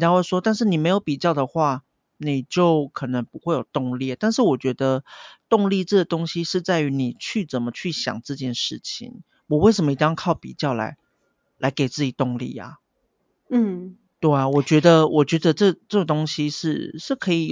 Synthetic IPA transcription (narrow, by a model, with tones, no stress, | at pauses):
we˥˩ʂwɔ˥t̪a˥˧nʂ̬ɻ̩˥˩ni˨˩me˧˥ɪjo˧˥ʊpi˨˩t͡ɕjɑ˥˩ʊd̪ə˩xwa˥˩ | ni˨˩t͡ɕjo˥˩ʊkʰɤ˨˩nə˧˦˥ŋpu˧˦xwe˥˩ɪjo˨˩ʊt̪ʊ˥˧ŋljɛ˥˨t̪a˥˧nʂɻ̩˥˩wɔ˨˩t͡ɕɥɛ˧˥d̪ə˧t̪ʊ˥˧ŋli˥˧ʈ͡ʂɤ˥˩ɡə˩t̪ʊ˥ŋɕi˥ʂɻ̩˥˧t͡sa˥˩ɪy˧˥ni˨˩t͡ɕʰy˥˩t͡sə˨˩nmə˦t͡ɕʰy˥˩ɕjɑ̰˨˩ŋt͡sɹ̩˥˧t͡ɕjɛ˥˧nʂɻ̩˥˩t͡ɕʰḭ˨˦ŋ | wɔ˨˩we˥˩ɪʂ̬ə˧˥mə˧i˧t̪jkʰɑ˥˩ʊpḭ˨˩t͡ɕjɑ˥˩ʊla̰˧˥ɪ | la˧˥ɪke˨˩ɪt͡sɹ̩˥˩t͡ɕi˨˩t̪ʊ˥˧ŋlḭ˥˨˩ɐ̰˩˥˩ | t̪we˥˩ɪa˨˩wɔ˨˩t͡ɕɥɛ˧˥d̪ə˧wʔɔ˨˩t͡ɕɥɛ˧˥d̪ə˧ʈ͡ʂɤ˥˩ʈ͡ʂɤ˥˩ɡə˩t̪ʊ˥ŋɕi˥ʂɻ̩˥˩ʂɻ̩˥˩kʰɤ˧˥i˨˩